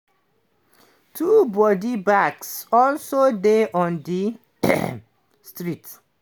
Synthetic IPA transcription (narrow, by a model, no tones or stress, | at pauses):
tʰubɔdibaksɔlsodeʔɔ̃ndi | stɹit